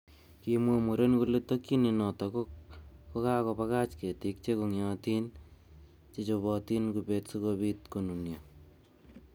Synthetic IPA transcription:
kimwomuɾenkuletokininɔtɔkokkokaːkopakat͡ʃketik̚t͡ʃekoŋjɔtin | t͡ʃet͡ʃobɔtinkupetsukobitkonunjo

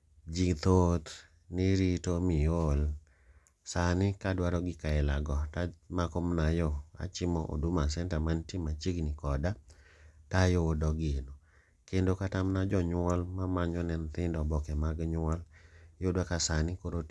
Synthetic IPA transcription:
d͡ʒit̪ot̪ | nɪɾitomijol | sanɪkadwaɾɔɡɪkaɪlaɡɔtamakomnajɔa̰t͡ʃɪmɔʔo̰dumasɛntamantimat͡ʃiɡnɪkɔdatajodɔɡɪno | kendokatamnad͡ʒɔɲwɔlmamaɲɔnɛnt̪ɪndɔbɔkɛmaɡɲwɔljodwakasanɪkoɾot

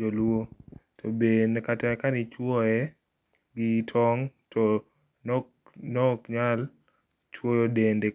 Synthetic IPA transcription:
olwotʰobenkatɛkanit͡ʃwɔɛ | ɡɪtʰɔŋtʰɔ | n | nɔkɲal | t͡ʃwojɔdende

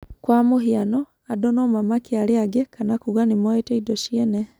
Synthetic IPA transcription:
kwamohiano | adonomamakialiaɡekanakuɣwanimoeteidoʃiene

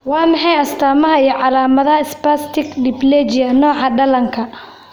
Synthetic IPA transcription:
wɑːmɑħɑjɐst̪ʰaːmɐɦɐijɞʕɑlaːmɐðɐɐɪspast̪ʰɪɡɖɪblɛt͡ʃɪɐnɔːʕɑɖɐlɐŋkʰɐ

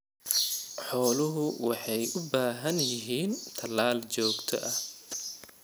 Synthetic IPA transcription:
ħɔːlʊɦʊwɑħɑjʔʊbaːɦɐnjɪɦiːnt̪ʰɐlaːlt͡ʃɔːɡt̪ʰɔ̰ʔɐh

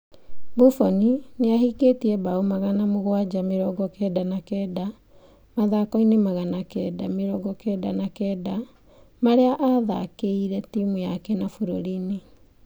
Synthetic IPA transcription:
bufɔnineahiketiɛbaomaɣanamoɣwad͡ʑameɾɔɡɔkɛːdanakɛːda | maðakɔinemaɣanakɛːdameɾɔɡɔkɛdanakɛːda | maɾeaʔaða̰keiɾɛtimujakɛnafuɾoɾine

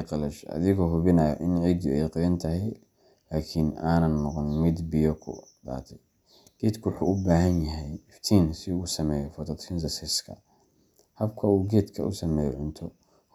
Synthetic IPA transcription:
qɐlɐʃɐ̰ðɪɣɔɦʊβɪnɐjɔʔɪnʕiːd̪ʊɛjqɪjɐnt̪ʰɐɦɛj | laːkʰinaːnɐnːɔqɔnmɪd̪bɪjɔkʰʊ̰ | da̰ːt̪ʰɛj | ɡ̥ɛːd̪kʰʊwħuʊbaːɦɐnjɐɦɛjɪft̪ʰiːnsɪuːsɐmɛːjɔfɐt̪ʰɐt̪ɾɪnzɐsɪskʰɐ̰ | hɐbkʰɐuːɡɛːd̪kʰɐ̰ʔʊ̰sɐmɛːjɔ̰ʕʊnt̪ʰɔ

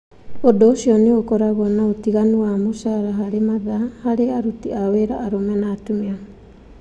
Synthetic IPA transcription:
odɔːsiɔniokɔɾaβɔnaotiɣanuamosaɾaɦaɾemaðahaɾeaɾutiaweɾaʔːɾomɛnatumia

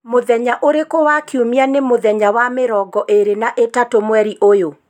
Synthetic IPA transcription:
moðɛɲaʔoɾekowakiumianemoðɛɲawameɾɔɡɔʔeɾenaʔetatomwɛɾiʔojo

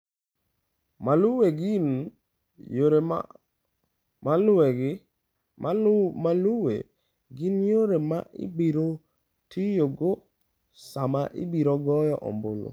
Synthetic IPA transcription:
maluweɡɪn | joɾe | maleɡ | maluwḛ | ɡɪnjoɾemaʔɪ̰biɾo | tʰijoɡo | samaʔɪ̰biɾoɡɔjɔʔɔ̰mbolo̰

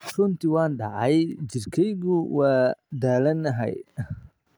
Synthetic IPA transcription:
rʊnt̪ɪwɑːnɖɑʕɑjd͡ʒɪrkʰɛjɣʊwaːd̪aːlɐnɐɦɛ̰j

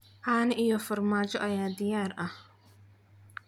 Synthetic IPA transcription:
ʔaːnɪʔijɔfɐrmaːt͡ʃɔʔɐjaːd̪ɪjaːrʔɐh

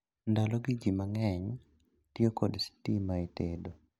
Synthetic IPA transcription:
ndalɔɡiɡimaŋɛɲ | tjekodstimaitedo

